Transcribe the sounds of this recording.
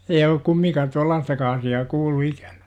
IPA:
ei olːuk kumːiŋkɑː tuɑlːɑːstɑkɑ ɑsiɑː kuːlːu ikæ̥n̥æ̥

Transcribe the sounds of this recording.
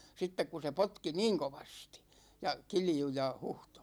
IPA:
sitːek ku se potki niːŋ koʋɑsti̥ jɑ kilju jɑ huhto̥

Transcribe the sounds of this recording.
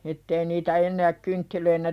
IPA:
etːei niːtæ enːæːk kyntːiløinæ

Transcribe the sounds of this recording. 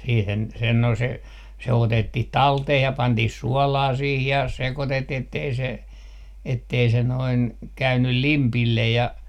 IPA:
siːhen sen no se se otetːih tɑlteh jɑ pɑntih suɔlɑː sih jɑ sekotetːiː etːei se etːei se noin kæynyl limpilːej jɑ

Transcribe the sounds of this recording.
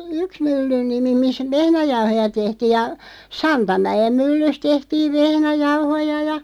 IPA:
yks mylːyn nimi mis ʋehnæjɑuhojɑ tehtiːj̆ jɑ sɑntɑmæj̆em mylːys tehtiːʋ ʋehnæjɑuhojɑ jɑ

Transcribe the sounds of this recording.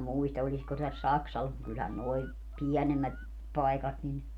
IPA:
muistɑ olʲisko tæs sɑksɑlɑs mut kylhæn noi piænemːæt pɑikɑt nin

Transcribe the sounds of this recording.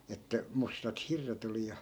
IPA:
etːæ mustɑt hirːet oli jɑ

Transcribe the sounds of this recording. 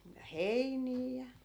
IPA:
jɑ heiniː jɑ

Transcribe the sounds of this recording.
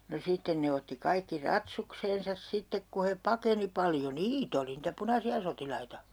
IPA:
no sitːen ne otːi kɑikːi rɑtsukseːnsɑs sitːek ku he pɑkeni pɑljo niːt oli nitæ punɑsiɑ sotilɑitɑ

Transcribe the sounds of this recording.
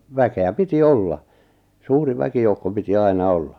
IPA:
ʋækeæ piti olːɑ suːri ʋækijoukːo piti ɑinɑ olːɑ

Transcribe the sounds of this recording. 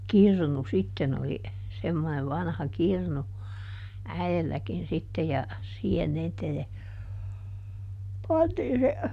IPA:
kirnu sitːen oli semːoneʋ ʋɑnhɑ kirnu æielːækin sitːe jɑ siːhen niːtæ jɑ pɑntiːn se

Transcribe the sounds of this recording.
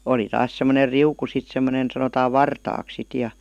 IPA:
oli tɑːs semˑoner riuku sit semˑonen sɑnotɑː ʋɑrtɑːks sit jɑ

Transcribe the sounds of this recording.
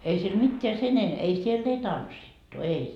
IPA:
ei siel mitːeæ sen en ei sielː ei tɑnsːitːu ei

